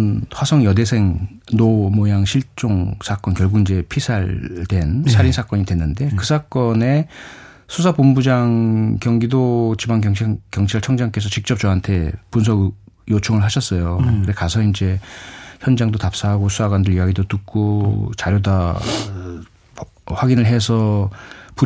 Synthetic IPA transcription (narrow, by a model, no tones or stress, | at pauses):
nwasʰʌŋjʌde̞sʰe̞ŋnomojaŋɕʰiɭt͡ɕ͈oŋsʰak͈ʌnkjʌɭɡuɡind͡ʑe̞pʰisʰaɭtwe̞nsʰaɾinsʰak͈ʌɲidwe̞nːɯnde̞kɯsʰak͈ʌne̞ | sʰusʰapombud͡ʑaŋkjʌŋɡidot͡ɕibaŋkjʌŋt͡ɕʰiaɭt͡ɕʰʌŋd͡ʑaŋk͈e̞sʰʌt͡ɕik̚t͡ɕ͈ʌp̚t͡ɕʌɦantʰe̞puns̬ʰʌɡ | jot͡ɕʰoŋɯɭɦaɕʰʌs͈ʌjokɾekasʰʌind͡ʑe̞çjʌnd͡ʑaŋdotap̚s͈aɦaɡosʰusʰaɡwandɯɭijaɡidotuk̚k͈ot͡ɕaɾjoda | ɸwaɡinɯɭɦe̞sʰʌpu